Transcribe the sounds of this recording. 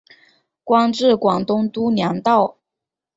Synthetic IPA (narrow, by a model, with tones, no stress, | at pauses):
kwɑ˥ŋʈ͡ʂɻ̩˥˩kwɑ˨˩ŋt̪ʊ˥ŋt̪u˥njɑ˧˥ŋt̪ɑ˥˩ʊ